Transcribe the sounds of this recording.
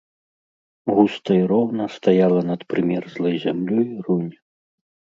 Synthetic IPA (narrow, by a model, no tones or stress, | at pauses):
ɣust̪ɐiɾɔwnɐst̪ajalˠɐnɐt̪pɾɨmʲɛrzlˠɐjzʲamlʲɔjrunʲ